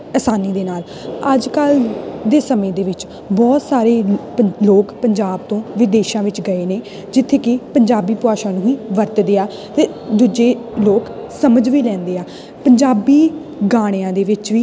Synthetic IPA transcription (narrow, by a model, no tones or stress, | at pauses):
əːsaːniːd̪eːnaːl | əd͡ʒkəld̪eːsəmẽːd̪eːʋɪt͡ʃ | bɔːt̪saːɾeː | əloːkpəɲd͡ʒaːb̚t̪õːʋɪd̪eːʃãːʋɪt͡ʃɡəeːneː | d͡ʒɪt̪ʰːeːkɪpəɲd͡ʒaːbiːpʊaːʃãːnũːiːʋəɾt̪d̪ɪːaː | t̪eːd̪uːd͡ʒeː | loːksəməd͡ʒʋiːlɛ̃ːnd̪eːaː | pəɲd͡ʒaːbiː | ɡaːɽ̃eãːd̪eːʋɪt͡ʃʋiː